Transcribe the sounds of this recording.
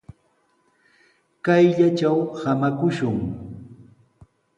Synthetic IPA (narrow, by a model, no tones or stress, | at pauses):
kajʎat͡ʃawhamakʊʃʊŋ